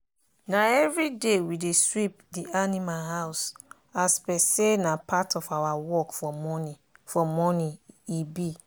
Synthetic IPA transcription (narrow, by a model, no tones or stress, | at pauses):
naɛvɹidewideswip̚dianimaɦaʊs | aspɛsenapʰatɔfawawɔkfɔmɔnifɔmɔnĩibi